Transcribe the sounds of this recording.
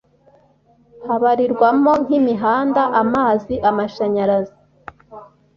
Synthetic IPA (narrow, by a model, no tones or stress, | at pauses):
haβaɾiɾɡwamo̞ŋ̥himiɦaːndaʔamaːziʔamaʃaɲaɾazi